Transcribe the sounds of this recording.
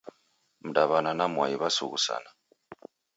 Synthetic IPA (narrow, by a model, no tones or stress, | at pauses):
m̩daβananamwaiβasṵɣusa̰na